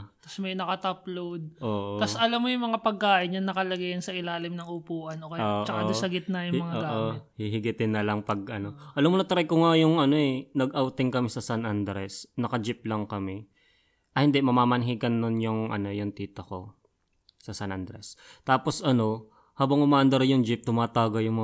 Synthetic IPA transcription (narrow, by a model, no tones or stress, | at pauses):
t̪ɐsmɐjnɐkɐt̪ɐplowd̪̚ʔoːʔot̪asʔɐlamːojʊŋmɐŋapɐɡ̚kaːʔɪɲːɐnɐkɐlɐɡɐjɐnsɐʔɪlaːlɪmnɐŋʊpuːʔɐnʔoːkɐjoːʔt͡ʃɐkasɐɡɪt̪̚nɐjʊŋmɐŋaoɡaʔomɪhiɦɪɡɪt̪ɪnːɐlɐŋpɐɡ̚ʔɐno̞ʔɐlɐmːonɐt̪ɾɐjkʊŋajʊŋɐnoɛnɐɡʔɐwt̪ɪŋkɐmɪsɐsɐnʔand̪ɾɛsnɐkɐd͡ʒɪp̚lɐŋkɐmɛ | ʔɐhɪnd̪ɛʔmɐmaːmɐnɦiɡɐnːonjʊŋʔɐ̰no̞jʊŋt̪iːt̪ɐko̞ | sɐsɐnʔand̪ɾɛst̪aːpo̞sʔɐno̞ | haːbɐŋʊmaːʔɐnd̪ɐɾɐjʊŋd͡ʒɪp̚t̪ʊmaːt̪aːɡɐjʊŋmɐ